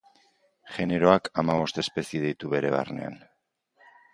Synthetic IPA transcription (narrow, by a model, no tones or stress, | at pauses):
ʝe̞ne̞ɾo̞akamaβ̞o̞st̪e̞spe̞sieð̞ejt̪uβe̞ɾe̞β̞a̰rne̞̰a̰n